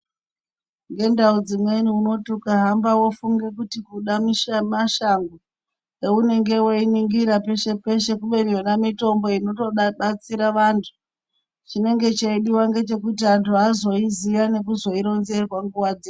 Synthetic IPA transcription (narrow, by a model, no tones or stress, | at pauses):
ŋɡe̞ndaud͡zimwe̞niuno̞tukaɦambawo̞fuŋɡe̞kutikuɗamiʃamaʃaŋɡu | eune̞ŋɡe̞woiniŋɡiɾape̞ʃe̞pe̞ʃe̞kuɓe̞nienamito̞mbo̞ino̞to̞ɗaɓat͡siɾaʋantʰu | t͡ʃine̞ŋɡe̞t͡ʃaiɗiwaŋɡe̞t͡ʃe̞kutiantʰuɦazo̞iziʋane̞kuzo̞iɾo̞nze̞rwaŋɡuwad͡ze